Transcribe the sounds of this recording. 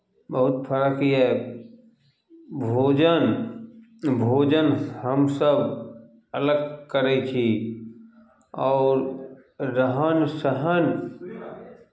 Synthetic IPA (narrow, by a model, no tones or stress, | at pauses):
bəɦʊt̪pʰəɾəkiɛ | bʱoːd͡ʒən | bʱoːd͡ʒənhəmsəb | ələɡkəɾɛt͡ʃʰi | ɔːɾː | əɦənsəɦən